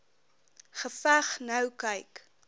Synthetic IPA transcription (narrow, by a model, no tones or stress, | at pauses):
χəfæχnɐwkɐjk